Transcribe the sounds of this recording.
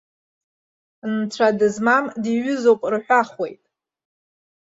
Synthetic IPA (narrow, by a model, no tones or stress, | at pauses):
nt͡sʷʰadɨzmamdiɥʏzowpʼrħʷᶣaχwe̞̰jtʼ